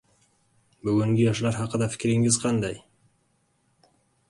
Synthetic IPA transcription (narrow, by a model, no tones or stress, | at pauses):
bɵɡʲɪŋɡʲejɑʃlˠɑɾɦɑqəd̪ɑfɪ̥kʲɾɪŋɪzqʰɑnd̪ɑj